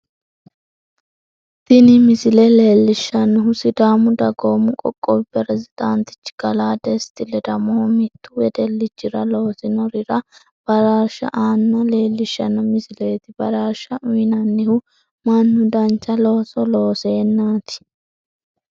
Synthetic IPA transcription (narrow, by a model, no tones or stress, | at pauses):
d̪̥ɪnɪmɪsɪlɛle̞ːlːɪʃːɐnːɪɦʊsɪd̪aːmʊd̪ɐɡoːmʊkʼɔ̰kʼːɔwɪpːɛɾɛzɪd̪̥ant̪ɪ̥t͡ʃːɪ̥ɡ̥ɐlaːd̪ɛst̪ɪlɛd̪ɐmɔhɔmɪt̪ʰːʊwɛd̪ɛlːɪt͡ʃːɪɾɐlo̞ːsɪnɔɾɪɾɐ | b̥ɐɾaːʃɐ̰ʔaːnːɐle̞ːlːɪʃːɐnːɐmɪsɪle̞ːt̪ɪbɐɾaːʃɐʔʊjnɐnːɪhʊ | mɐnːʊd̪ɐnt͡ʃːɐlo̞ːsɔlo̞ːse̞ːnːaːt̪ɪ̥